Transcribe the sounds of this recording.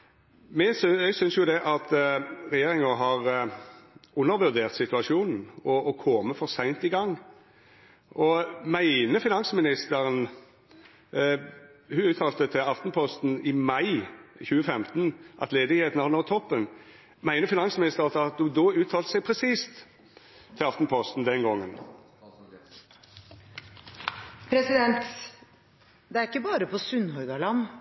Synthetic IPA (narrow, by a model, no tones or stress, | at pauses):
mɛsɛsʏnsjʊd̪ɛʔɑt̪ɾɛjeːɾɪŋəɦɑʁ | ʉnːəɾʋʉɾd̪eːʁt̪sɪt̪ʉɑʂuːnn̩ɔːkʰɔməfɔʁsæɪnt̪iɡɑŋː | ʔɔmæɪnəfɪnɑnsmɪnɪst̪əɾən | hʉʉːt̪ʰɑːlt̪ət̪ʰɪlɑft̪n̩pʰɔst̪n̩ɪmɑɪçʉːəfɛmt̪nʔɑ̰t̪leːd̪ɪɡheːt̪ənhɑnoːt̪ʰɔpːən | mæɪnəfɪnɑnsmɪnɪst̪əʁt̪ɑt̪̚d̪ʊd̪oːʉːt̪ʰɑːlt̪əsɛɪpʰɾɛsiːst̪ʰː | ɪlɑft̪n̩pʰɔst̪n̩d̪ɛnɡɔŋːən | pʰɾɛsɪd̪ɛnt̪ | d̪ɛæɾɪkːəbɑːɾəpʰɔsʉnɦœʏɡ̪ɑlɑnː